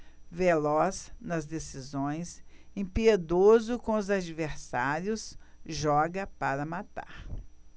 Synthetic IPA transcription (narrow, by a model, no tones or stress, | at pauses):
velɔsnɐzd̪esizõj̃sẽpied̪ozʊkõʊzad͡ʒiveɾsaɾjʊsʒɔɡɐpaɾɐmat̪a̰ɾ